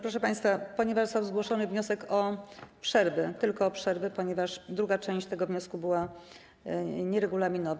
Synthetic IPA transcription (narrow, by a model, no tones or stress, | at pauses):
pɾɔʂɛpaj̃st̪fapɔɲɛvaʂst̪awzɡwɔʂɔnɘvɲɔsɛkʰɔpʂɛɾvɛt̪ɘlkɔːpʂɛɾvɘpɔɲɛvaʂd̪ɾuɡat͡ʂɛ̃w̃ɕt͡ɕt̪ɛɡɔvɲɔskubɘwa | ɲɛɾɛɡulamʲinɔv